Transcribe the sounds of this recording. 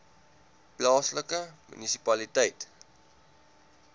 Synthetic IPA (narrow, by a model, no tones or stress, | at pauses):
plɑːsləkəmy̰nisipɐlitɛjt